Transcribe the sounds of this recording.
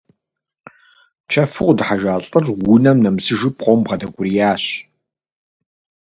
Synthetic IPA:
t͡ʃʰɐfɨqʷdħaʒaːɬʼərwʊnɐmnɐmsɨʒɪpqʷowmbʁɐdɐɡʷʼʊrijaːɕ

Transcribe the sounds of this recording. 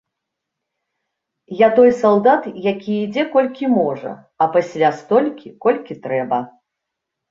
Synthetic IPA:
jat̪ɔjsaw̪ˠd̪at̪jakʲiid͡zʲɛkɔlʲkʲimɔʐɐ̰ | ɐpasʲlʲast̪ɔlʲkʲikɔlʲkʲit̪ɾɛbɐ

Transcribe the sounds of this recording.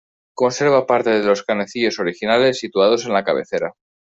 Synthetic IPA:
ko̞nse̞ɾβ̞apaɾt̪e̞ðe̞lo̞skaneθiʎo̞so̞ɾixinale̞sːit̪uað̞o̞se̞nlakaβe̞̰θe̞ɾa

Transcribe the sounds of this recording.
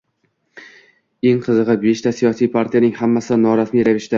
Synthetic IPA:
e̞ŋqʰɨzɨʁɨbeʃt̪ʰasijɒsijpʰaɾt̪ʰijanɪŋhamːasɪd̪anɒɾasmijɾavɪʃd̪a

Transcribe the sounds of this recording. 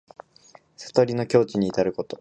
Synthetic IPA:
sḁt̪o̞ɾʲino̞kʲo̞ːt͡ɕɨɲ̟iːt̪aɾɯ̟ko̞t̪o̞

